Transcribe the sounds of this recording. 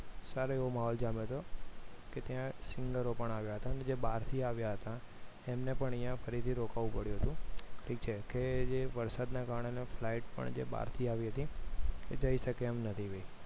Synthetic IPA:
saɾoeʋomaɦɔld͡ʒamet̪oket̪jãsɪŋɡəɾopəɳaʋjaɦət̪aəned͡ʒebaɾt̪ʰiaʋjaɦət̪a | emnepəɳijãfəɾit̪ʰiɾokaʋũpəɽjũɦət̪ũʈʰikt͡ʃʰeked͡ʒeʋəɾsad̪nakaɾəɳeneflaiʈpə̰ɳd͡ʒḛba̰ɾt̪ʰiaʋiɦət̪iked͡ʒəiʃəkeːmnət̪ʰiʋe

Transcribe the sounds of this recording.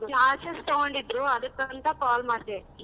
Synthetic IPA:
aːsest̪oɡoɳɖid̪ɾuɐd̪ɐkːɐnt̪ɐkaːlmaːɾt̪ːe

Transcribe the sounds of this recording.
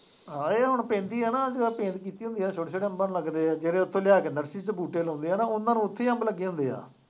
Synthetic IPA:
ɦãːeːɦʊɳpẽːnd̪iːɛːnaːd͡ʒeːapẽːnd̪kiːt̪iːɦʊ̃nd̪iːaːt͡ʃʰoɽet͡ʃʰoɽeəmbanləɡd̪eːaːd͡ʒeːɾẽːʊt̪ʰːõːljaːkenəɾsiːt͡ʃəbuːʈeːlɦõːnd̪eːɛːnãːʊnːãːnũːʊt̪ʰːeːəmbləɡiːɦʊ̃nd̪eːa̰ː

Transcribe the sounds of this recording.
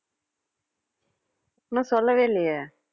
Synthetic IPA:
nːɐ̃sɔlːɐʋeːlːɪjɐ

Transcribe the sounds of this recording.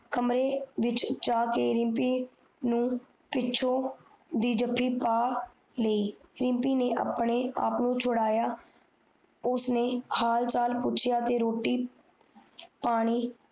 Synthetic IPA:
kəmɾeːʋɪt͡ʃd͡ʒaːkeːɾɪ̃mpiː | nũː | pɪːt͡ʃʰõː | d̪iːd͡ʒəpʰːiːpaː | ləiːɾɪ̃mpiːneːʔa̰ːpɳeːa̰ːpnũːt͡ʃʰʊɽaːjaː | ʊsneːhaːlt͡ʃaːlpʊt͡ʃʰjaːt̪eːɾoːʈːiː | paːɽ̃iː

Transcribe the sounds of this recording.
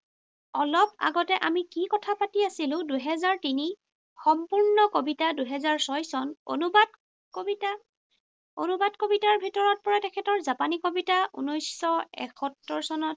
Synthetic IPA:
ɔlɔpa̰ɡɔtɛʔamikikɔtʰapatiasilʊ̃duɦɛzaɹtini | xɔmpuɹnɔkobitaduɦɛzaɹsɔjsɔnonubad | ta | onubadkobitaɹbʱitɔɹɔt̚pɔɹatɛkʰɛtɔɹzapanikobitaʔṵnɔjsɔɛ̰kʰɔtːɔɹsɔnɔt

